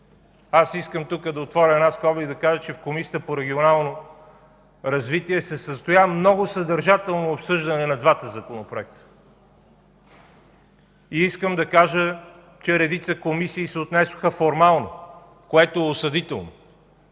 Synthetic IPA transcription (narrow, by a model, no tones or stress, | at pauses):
asiskəmt̪ukəd̪ɐot̪vɔɾʲəɛnaskɔbid̪ɐkaʒət͡ʃɛfkomisiət̪əpoɾɛɡʲionalˠno | ɾɐzvit̪iɛsɛsəst̪ojamnɔɡosɐd̪ɐɾʒat̪ɛlˠnoːpsɤʒd̪ɐnɛnɐd̪vat̪əzɐkonopɾoɛk̚t̪ə̥ | iiskəmd̪ɐkaʒə | t͡ʃɛɾɛd̪it̪səkomisiːsɛot̪nɛsoxəfoɾmalˠno | koɛt̪oɛosɐd̪it̪ɛlˠno